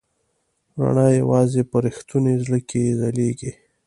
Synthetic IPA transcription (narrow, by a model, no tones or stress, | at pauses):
ɾa̰ɳajawɑzepəɾɪxt̪unezləkʰezaleɡi